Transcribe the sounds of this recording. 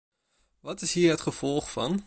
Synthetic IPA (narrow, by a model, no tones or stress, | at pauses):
ʋɑtɪsɦiːɹɦətχəv̥ɔlˠχfɑn